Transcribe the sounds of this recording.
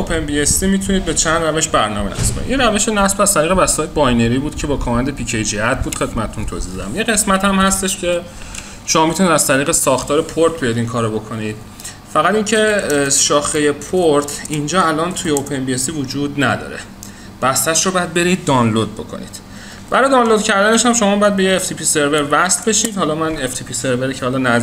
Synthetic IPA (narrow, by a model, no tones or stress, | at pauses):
opʰenbiesimit̪ʰuniːd̪̚be̞t͡ʃʰænd̪ræve̞ʃbæɾnɒːmenæ̰sbɒ̰jḭʔinræveʃonæsbæz̥t̪ʰæɾiːɣebæst̪eːjebɒjne̞ɾiːbuːd̪̥cʰe̞bɒːkʰɒːmænd̪e̞pʰiːcʰejd͡ʒiæt̪̚buːd̪xed̪mæt̪ʰet̪ʰunt̪ʰoːzid̪ɒd̪æmjeɣe̞smæt̪hæmhæst̪eʃcʰe̞ | ʃo̞mɒːmit̪ʰuniːd̪æz̥t̪ʰæɾiːɣesɒːxt̪ʰɒːɾe̞pʰoɾt̪̚ʰbijɒd̪iŋkʰɒːɾobo̞kʰo̞nid̪̥̚ | fæɣæt̪iŋncʰe̞ʃɒːxejepʰoɾt̪ʰind͡ʒɒːælʔɒːnt̪ʰujeopʰenbiesiːvod͡ʒuːd̪næd̪ɒ̰ːɾḛ | b̥æst̪æʃɾobɒjæd̪̚be̞ɾiːd̪̚ːɒːnlod̪̚bo̞̰kʰo̰nḭd̪̥ | b̥æɾɒːjd̪ɒːnlod̪cʰæɾd̪æne̞ʃhæmʃo̞mɒːbɒjæd̪be̞jeːft̪ʰipʰise̞ɾve̞ɾvæslbe̞ʃiːd̪hɒːlɒːmæneft̪ʰipʰise̞ɾveɾicʰehɒlɒnæz